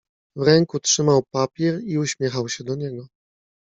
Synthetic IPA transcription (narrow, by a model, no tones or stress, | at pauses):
vɾɛŋkutʂɘmawpapʲjɛɾiuɕmʲjɛxawɕɛd̪ɔɲɛɡɔ